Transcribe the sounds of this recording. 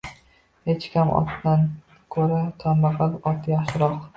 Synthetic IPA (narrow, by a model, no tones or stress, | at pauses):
het͡ʃkʲʰamʔɒ̰t̪d̪an | kʰɵɾat̪ʰambaqɑlɒt̪jaχʃɪɾɒq